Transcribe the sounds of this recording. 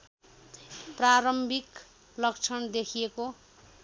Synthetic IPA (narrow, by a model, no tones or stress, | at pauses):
praɾʌmbʱik | lʌk̚t͡sʰʌnd̪ekʰijeko